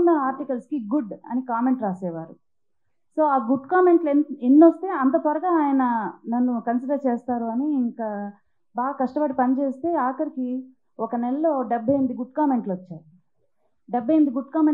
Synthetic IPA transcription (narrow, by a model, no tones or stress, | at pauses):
ndɐaːɾʈikɐlskiɡuɖɐ̰nikaːme̞ɳʈɾaːsɛːʋaːɾu | so̞ːaːɡuɖkaːme̞ɳʈlenːost̪e̞ːɐnt̪̬ɐpʋɐɾɐɡaːaːjɐnɐnɐnːukɐnsiɖɐɾt͡ʃeːst̪aːɾuɐniːŋkaː | baːɡɐkɐʂʈɐbɐʈipɐnit͡ʃeːst̪e̞ːaːkɐɾiki | ɔkɐnɛlɐloːɖɐbʱːɐjɐmid̪iɡuɖ̚kaːme̞ɳʈlɐt͡ʃːaːɾu | ɖebʱːɐjɐmid̪iɡuɖkaːme